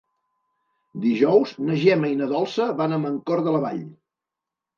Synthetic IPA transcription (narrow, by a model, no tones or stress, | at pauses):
d̪iʒɔwznəʒɛməjnəðɔlˠsəβanaməŋkɔɾðələβa̰ʎ